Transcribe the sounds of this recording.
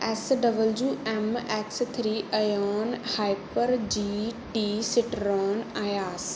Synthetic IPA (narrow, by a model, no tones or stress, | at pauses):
ɛsɖɐbəld͡ʑuːɛmɛːkst̪ʰɾiːʔɐjɔːnhaːɪpəɾd͡ʑiːʈiːsɪʈɾɔːnaːjaːs